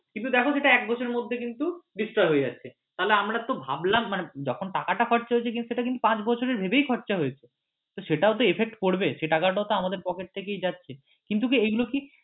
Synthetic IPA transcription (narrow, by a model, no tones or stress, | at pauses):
kint̪ud̪ɛkʰoʃeʈaɛk̚bɔt͡ɕʰoɾeɾmod̪ʱːekint̪uɖisʈɾɔeɦoed͡ʑa̰tːɕʰe | t̪aɦleamɾat̪obʱa̰blamːaned͡ʑɔkʰonʈakaʈakʰɔʈːt͡ɕaɦoet͡ɕʰek̬int̪uʃeʈakint̪upãt͡ɕbɔt͡ɕʰoɾeɾbʱebejkʰɔʈːt͡ɕaɦojet͡ɕʰe | t̪oʃeʈaot̪̬oepʰek̚ʈkoɽbeʃeʈakaʈ̬aot̪oamad̪eɾpɔkeʈ̚t̪ʰekejd͡ʑatːɕʰe | kint̪̬ukiejɡuloki